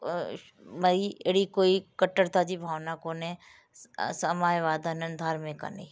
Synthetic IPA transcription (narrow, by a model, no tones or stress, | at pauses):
mɐieɽikoːikəʈːəɾt̪ad͡ʒibʱaːʋnakonẽ | səmaːjʋaːd̪ʱanənd̪ʱaːɾmẽka̰nḛi